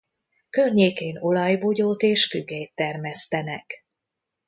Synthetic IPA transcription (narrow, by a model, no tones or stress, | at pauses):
kørɲeːkeːno̞lɒjvoɟoːt̪eːʃkyɡɛjt̪ːɛrmɛst̪ɛnɛk